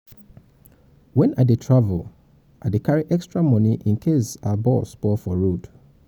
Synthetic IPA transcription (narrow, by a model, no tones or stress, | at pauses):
wɛ̃nadetʰɹavəl | ʔadekʰaɹiʔɛkstɹamɔ̃niʔĩnkʰesabɔsbɔfɔɹod